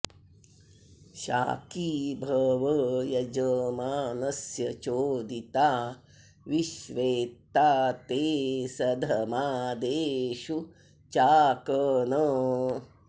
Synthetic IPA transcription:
ʃa̰ːkiːbʱɐʋɐjɐd͡ʒɐmaːnɐsjɐt͡ʃoːd̪it̪aː | ʋiʃʋeːt̪aːt̪eːsɐd̪ʱɐmaːd̪eːʃu | t͡ʃaːkənɐ

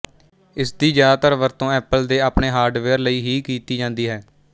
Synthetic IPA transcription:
ɪsd̪iːd͡ʒjaːd̪aːt̪əɾʋəɾt̪õːɛːpəld̪eːaːpneːɦaːɾɖʋeːɾləiːɦiːkiːt̪iːd͡ʒãːnd̪iːɦɛː

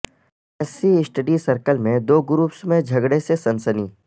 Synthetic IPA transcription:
ɛsiɪsʈəɖisəɾkəlmẽd̪oːɡɾuːpsmẽd͡ʒʱɐɡɽesesɐ̃nsəniː

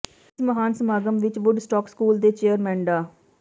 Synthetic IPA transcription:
sməɦaːnsəmaːɡəmʋɪt͡ʃʋʊɖsʈɔːkskuːld̪eːt͡ʃeːəɾmɛ̃ːɳɖaː

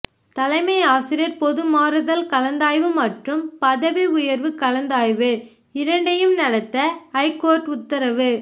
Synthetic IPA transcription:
t̪ɐlɐɪmɐɪaːsɪɾɪjɐɾpɔðɯmaːɾɯðɐlkɐlɐnd̪aːjʋɯmɐʈrɯmpɐðɐʋiʊjɐɾʋɯkɐlɐnd̪aːjʋɯ | ɪɾɐɳɖɐjɯmnɐɽɐt̪ːɐɐɪkoːɾʈʊt̪ːɐɾɐʋɯ

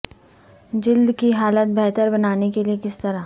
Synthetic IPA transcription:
d͡ʒɪld̪kiɦaːlət̪̚bɛːt̪əɾbɐnaːnekeliekɪst̪ɐɾa

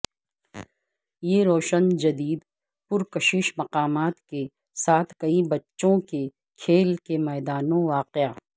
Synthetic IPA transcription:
jeːɾoːʃənd͡ʒɐd̪iːd̪ | pʊɾkɐʃiːʃmɐqaːmaːt̪ke | saːt̪ʰkɐibɐtːʃõke | kʰeːlkemɛːd̪aːnõʋaːqɪaː

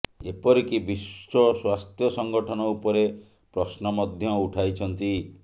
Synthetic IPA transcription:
epɔɾikibisɔswast̪jɔsɔŋɡɔʈʰɔnɔupɔɾe | pɾɔsnɔmɔd̪ʱjɔuʈʰajt͡ʃʰɔnt̪i

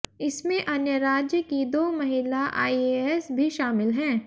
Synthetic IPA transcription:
ɪsmẽʔɐnjəɾaːd͡ʒjəkid̪oːmɐɦɪlaʔaːieɛsbʱiʃaːmɪlɦɛ̃ː

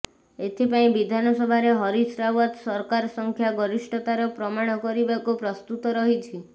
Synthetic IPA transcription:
et̪ʰipaĩbid̪ʱanɔsɔbʱaɾeɦɔɾisɾabɔt̪sɔɾkaɾɔsɔŋkʰjaɡɔɾisʈɔt̪aɾɔpɾɔmaɽ̃ɔkɔɾibakupɾɔst̪ut̪ɔɾɔɦit͡ʃʰi

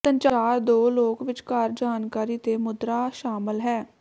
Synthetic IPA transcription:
sənt͡ʃaːɾd̪oːloːkʋɪt͡ʃkaɾd͡ʒaːnkaːɾiːt̪eːmʊd̪ɾaːʃaːmɪlɦɛː

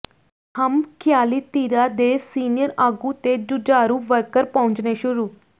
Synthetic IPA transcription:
həmkʰjaːliːt̪iːɾaːd̪eːsiːnɪjəɾaːɡut̪eːd͡ʒʊd͡ʒaːɾuːʋəɾkəɾpə̃ʊ̃ɲd͡ʒneːʃʊɾuː

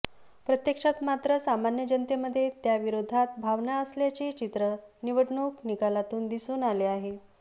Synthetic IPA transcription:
pɾət̪jəkʂat̪mat̪ɾəsamanjəd͡ʑənt̪eməd̪ʱːjet̪jaʋiɾod̪ʱat̪̚bʱaʋnaəsljat͡ɕit͡ɕit̪ɾəniʋəʈɳoknikalat̪uːnd̪isuːnaleaɦe

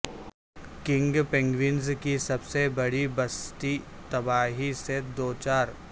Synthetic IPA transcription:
kɪ̃ŋɡpɪ̃ŋɡʋɪnzkisɐbsebɐɽibɐst̪it̪ɐbaːɦised̪oːt͡ʃaːɾ

